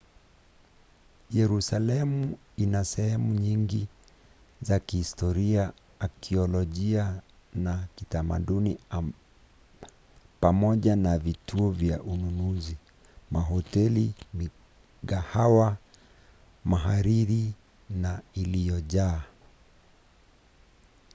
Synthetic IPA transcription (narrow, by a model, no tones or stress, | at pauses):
jɛɾusalɛmu | inasɛhɛmuɲiŋɡi | zakihistɔɾiaː | kʰiɔlɔʄia | nakitama̰ɗuni | pamɔʄanavitʰuɔvja̰ʔununuzi | maɦɔtɛlimi | ahawa | maɦaɾiɾi | nailijɔʄaː